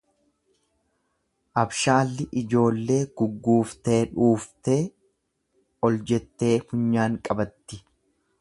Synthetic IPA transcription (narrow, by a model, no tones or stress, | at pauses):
ʔɐbʃaːlːɪʔɪd͡ʒo̞ːlːe̞ːɡ̥ʊɡːuːft̪e̞ːᶑuːft̪e̞ː | ɔld͡ʒɛt̪ːe̞ːfʊɲːaːŋkʼɐbɐt̪ːɪ